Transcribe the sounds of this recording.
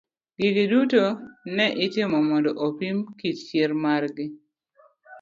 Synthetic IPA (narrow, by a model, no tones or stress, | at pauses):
ɡ̥iɡidutonɛʔɪtɪmɔmɔndɔʔopimkit͡ʃt͡ʃeɾmarɡɪ